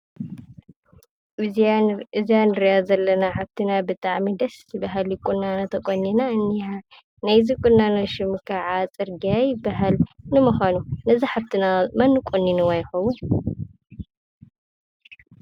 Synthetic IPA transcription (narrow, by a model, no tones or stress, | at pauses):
ɨzjanɨɾijazɐlːɐnaħaβt̪ʰinabɨt̪ʼaʕmid̪ɐsɨbaɦalɪkʼʊnːanot̪ʰɐkʼonːinanːia | najzikʼʊnːanoʃɪmɨkʰaʕat͡sʼɨɾɡajɪbaɦalnɨmɨxʷanunɐziħaβt̪ʰɨnamɐnːɨkʷʼonːinuwajɪxɐwun